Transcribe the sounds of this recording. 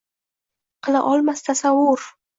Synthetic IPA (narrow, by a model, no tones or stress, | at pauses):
qʰɨlˠa̰ʔɒlˠmast̪ʰasawʊɾ